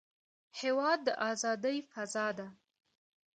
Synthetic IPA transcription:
hewɑd̪ːəʔɑzɑd̪əjfazɑd̪a

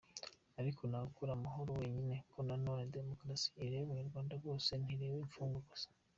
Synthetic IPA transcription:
aɾikʰo̞nakuɾamaɦoɾowe̞ːɲine̞kʰonanoːnede̞mo̞kɾasi̥ːɾeβjuβuɲuɾɡwaːndaɡwo̞ːse̞n̥iɾeːweiɱfuːŋɡaɡosḁ

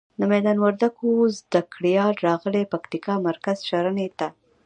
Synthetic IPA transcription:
d̪əmɛd̪ɑnwaɾd̪akozd̪akɽijɑɾɾɑɣəlepakt̪ikɑmaɾkazʃaɾənet̪a

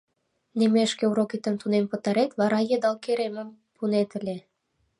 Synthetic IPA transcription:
nemeʃkĕuɾokit̪ə̆mt̪unempɤ̆t̪ɑɾet̪βɑɾɑjed̪ɑlkeɾemə̆m | punet̪ə̆lʲe

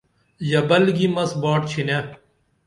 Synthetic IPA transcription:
jɐbɐlɡimɐsbaːʈ̚t͡ɕʰine

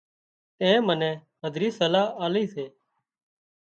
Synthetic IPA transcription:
t̪ẽːmənɛ̃ː | ɦəd̪ʱɾiːsəlaːaːliːseː

